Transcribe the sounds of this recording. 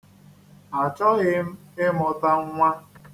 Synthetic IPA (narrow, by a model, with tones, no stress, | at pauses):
a˨t͡ʃɔ˦ɣɪ˦m̩˦ɪ˦mʊ˨ta˦ŋ˦ŋʷa˦